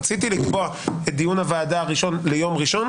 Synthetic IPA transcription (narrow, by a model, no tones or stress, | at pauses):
t͡sit̪̬ilikboa | et̪̚d̪ijunavaːdaːʁiʃo̞nlejo̞mʁiʃo̞n